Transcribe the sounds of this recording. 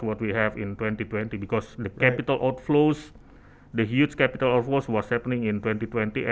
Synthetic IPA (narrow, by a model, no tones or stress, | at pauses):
wɔtwiɦɛvɪ̃ntwɛ̃ntitwɛ̃nt̪ibikɔsdəkɛpit̪alʔawtflos | dəɦjut͡ʃkɛpit̪alat̚floswɔshɛpənɪ̃ŋɪntwɛ̃ntitwɛ̃nt̪iʔɛ̃